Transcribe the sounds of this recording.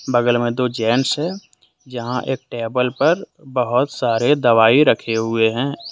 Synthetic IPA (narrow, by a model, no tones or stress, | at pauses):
bəɡəlmẽd̪oːd͡ʒɛːnsɦɛ̃ | d͡ʒəɦãʔḛːk̚ʈeːbəlpɐɾbəɦʊt̪saːɾed̪ɐʋaːiɾəkʰeɦʊeɦɛ̃ː